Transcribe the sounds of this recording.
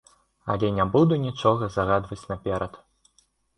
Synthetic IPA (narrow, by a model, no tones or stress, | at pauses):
a̰lʲɛnʲabud̪unʲit͡ʂɔɣɐzaɣad̪vɐt͡sʲnɐpʲɛɾʔɐt̪